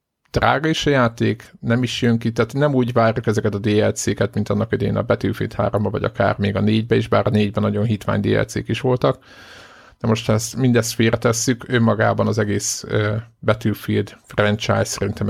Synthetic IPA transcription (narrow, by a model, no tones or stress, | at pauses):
d̪̥ra̰ːɡɒiʃɒjaːt̪eːknɛmiʃjøŋkit̪aːt̪nɛmuːɟvaːrjukɛzɛkɛt̪ɒd̪eːɛlt̪seːkɛt̪mint̪ɒnːɒkid̪ɛjḛːnɒ̰bɛt̪ylfḭlt̪ha̰ːɾombɒvɒ̰ɟɒ̰ka̰ːrmeːɡɒneːɟbɛiːʒbaːɾneːɟbɛnɒɟo̞nɦit̪ʋa̰ːɲd̪ḛːɛ̰lt̪seːkiʃʋo̞lt̪ɒk | d̪ɛmo̞ʃt̪ʰɛsmind̪ɛst̪feːɾʔɛt̪ɛsːykømːɒɡa̰ːbɒnɒzɛɡeːsøbɛt̪ylfild̪frɛnt͡ʃa̰jsːɛɾint̪ɛm